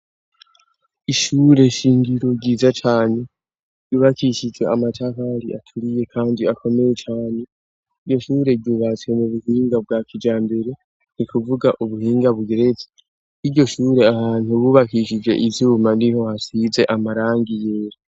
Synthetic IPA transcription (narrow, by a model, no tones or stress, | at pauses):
iʃuːɾe̞ʃiːŋɡiɾo̞ɟiːzat͡ʃaːne̞ | ɾɟuːβakʰiʃid͡ʒe̞amatʰakaɾḭʔatʰuɾije̞kʰaːndiakʰo̞me̞je̞t͡ʃaːne̞ | iɾɟo̞ʃuːɾe̞ɾɟuːβat͡swemuβuhiːŋɡab̚ɡaːkid͡ʒaːmbe̞ɾe̞ | nikuvuɡaʔuβuhiːŋɡaβuɡeɾeze̥ | iɾɟo̞ʃuːɾe̞ahaːnuβuβakiʃid͡ʒe̞̰ʔizuːmaniɦo̞hasize̞ʔamaɾaːŋɡijeːɾa